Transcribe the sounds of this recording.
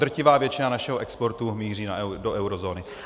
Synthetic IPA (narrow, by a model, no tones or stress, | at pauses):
d̪r̩cɪvaːvjɛt͡ʃɪnanaʃɛɦoʔɛkspo̞ɾt̪umiːr̝iːnadoʔɛwɾozo̞ːnɪ